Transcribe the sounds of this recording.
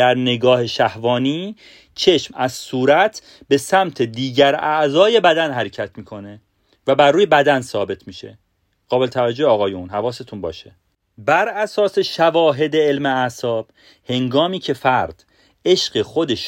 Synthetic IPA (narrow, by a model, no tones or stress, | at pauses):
dæɾne̞ɡɒːhe̞ʃæhvɒːniː | t͡ʃʰe̞ʃmæz̥suːɾæt̪ʰ | be̞sæmt̪ʰe̞d̪iːɟæɾæʔzɒːje̞bæd̪ænhæɾecʰæt̪ʰmiːkʰo̞ne̞ | væbæɾːuːje̞bæd̪ænsɒːbe̞t̪ʰmiːʃe̞̰ | ɢ̥ɒːbe̞let̪ʰævæd͡ʒoheɒːɣɒːjunɦævɒːse̞t̪ʰunbɒ̰ːʃe | bæɾæsɒːse̞ʃævɒːɦe̞d̪eelmeæsɒːb̥ | he̞ŋɡɒːmiːcʰe̞fæɾd̪̥ | e̞ʃɢexod̪eʃ